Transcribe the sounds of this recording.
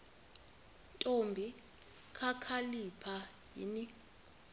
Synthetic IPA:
ntʼombʱi | kʰakʰalipʰa | jḭni

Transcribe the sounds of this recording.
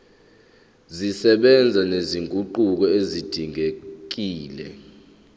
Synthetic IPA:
zisɛɓɛnd͡zʱaneziŋkʼuǃuk̬ɔezid̥ʱiŋek̬iːlɛ̰

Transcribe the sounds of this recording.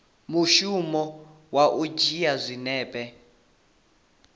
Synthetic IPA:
muʃumɔ | waʔud͡ʒijazʷinɛːpʼɛ

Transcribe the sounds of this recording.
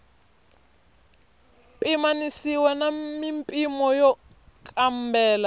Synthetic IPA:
pʼimanisiwɛnamimpʼimɔjɔ | kʼam̩bɛːla

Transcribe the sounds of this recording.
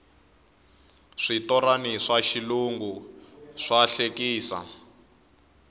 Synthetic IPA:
ʂitɔɾaniʂaʃiluŋɡuʂaɬekiːsa̰

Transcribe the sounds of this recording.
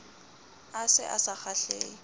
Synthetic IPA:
asɪ̰ʔa̰sak͡xʰaɬeː

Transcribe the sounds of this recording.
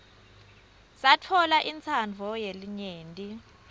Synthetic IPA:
satʰɔlaʔint͡sʰand͡vʱɔjeliɲeːntʼi

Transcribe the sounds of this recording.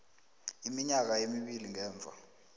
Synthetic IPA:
imiɲak̬ajemiɓiliŋɛːɱb̪vʱa̰

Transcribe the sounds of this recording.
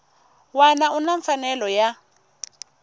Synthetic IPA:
wanaunaɱfanɛlɔja

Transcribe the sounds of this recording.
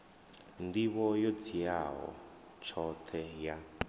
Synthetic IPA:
ndiβɔjot͡sʰijaɦɔ̰ | t͡ʃʰɔt̪ʰɛja

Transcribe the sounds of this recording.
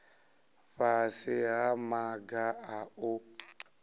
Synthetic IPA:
ɸasɪɦamaɡaaʊ

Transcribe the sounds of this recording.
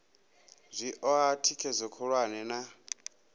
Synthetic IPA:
zʷiʔɔatʰikʰɛzʷɔkʰɔɺwanɛna

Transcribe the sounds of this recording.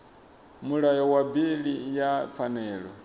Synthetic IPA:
muɺajɔwabiɺijap̪fʰanɛːɺɔ

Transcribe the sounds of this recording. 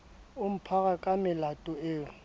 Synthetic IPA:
ʊm̩pʰaɣakʼamɪlatʼʊeːʊ

